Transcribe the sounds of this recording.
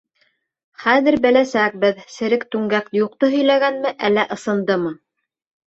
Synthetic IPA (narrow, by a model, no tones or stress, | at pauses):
χæðɘ̆ɾbɘ̆læsæk̚bɘðsɘ̆ɾɘkt̪ʉŋɡækjuq̚t̪ɤɦɵ̆jlæɡænmɘʔælːæʔɤ̆sɤ̆nd̪ɤmɤ